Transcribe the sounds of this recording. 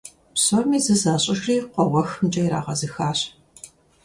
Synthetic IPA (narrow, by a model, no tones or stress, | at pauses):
psomiːzɨzaːɕʼɪʒriːqʷɔwɐxmt͡ʃʼɐjɾa̰ːʁɐzɨxaːɕ